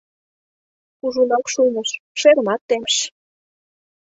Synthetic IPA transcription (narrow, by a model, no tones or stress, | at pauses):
uʒunɑkʃuməʃʃeɾəmɑt̪ːemʃ